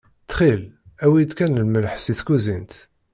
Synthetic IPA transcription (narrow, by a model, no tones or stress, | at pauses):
t͡s̪ːχilæwijəd̪kænlməlħsiθkuzint̪